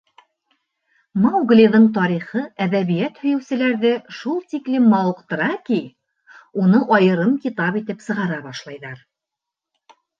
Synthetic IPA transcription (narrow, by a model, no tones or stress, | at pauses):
mɑwɡlʲiðɤɴt̪̬ɒɾiχɤæðæβijæt̪hɵ̆jɘ̆wsɘ̆læɾðɘʃulˠt̪iklɘmːɑwɤqt̪ɤ̆ɾɑki | unɤʔɑjɤ̆ɾɤmkit̪ɑpit̪ɘpsɤ̆ʁɑɾɑbɑʃlˠɑjðɑɾ